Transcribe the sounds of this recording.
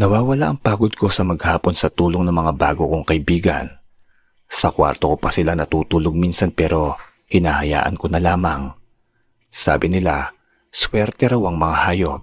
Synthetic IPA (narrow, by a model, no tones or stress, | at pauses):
nɐwaːwɐlaʔɐŋpaːɡo̞d̪̚ko̞sɐmɐɡ̚haːpo̞nsɐt̪uːloŋnɐŋmɐŋabaːɡokoŋkɐɪbiːɡɐ̰n | sɐkwa̰ɾt̪okopɐsɪlanɐt̪uːt̪uːloɡ̚minsɐnpɛːɾo̞ | hɪnaːhɐja̰ːʔɐ̰nko̞nɐlaːmɐŋ | sa̰ːbɪnɪla | swɛɾt̪ɛɾɐwɐŋmɐŋahaːjo̞p̚